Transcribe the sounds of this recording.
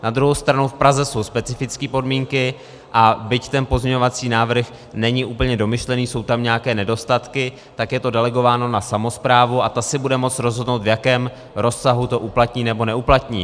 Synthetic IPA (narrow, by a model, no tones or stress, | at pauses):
nad̪ɾuɦo̞wst̪ɾanowfpɾazɛso̞wspɛt͡sɪfɪt͡skiːpo̞dmiːŋkɪ | ʔabɪct̪ɛnpo̞zɲɛɲo̞vat͡siːnaːvr̩x | nɛɲɪʔuːpl̩ɲɛdo̞mɪʃlɛniːso̞wt̪amɲɛakɛːnɛdo̞st̪at̪kɪ | t̪akjɛt̪o̞dɛlɛɡo̞vaːno̞nasamo̞spɾaːvuʔat̪asɪbudɛmo̞t͡sɾo̞zɦo̞dnowt̪vjakɛːm | ɾʔo̞sːaɦut̪o̞ʔuplat̪ɲiːnɛbo̞nɛuplat̪ɲḭː